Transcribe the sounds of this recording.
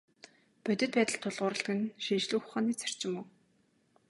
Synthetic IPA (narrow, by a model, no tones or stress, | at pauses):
pœt̪ʲɘ̆t̪̚pæːt̪ə̆ɬt̪ʰːʊɮʁʊːɾə̆ɬt̪ɡɘ̆nʃinʃɮŭːxʊ̥χaːniːt͡sḁr̥t͡ɕɪ̆mʊː